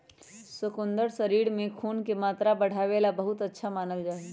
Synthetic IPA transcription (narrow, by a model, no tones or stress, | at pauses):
sʊkʊ̃nd̪əɾsəɾiːɽmẽkʰuːnkemaːt̪ɾabəɽ̤aːʋeːlabəɦʊt̪ətːʃʰamaːnəld͡ʒaːi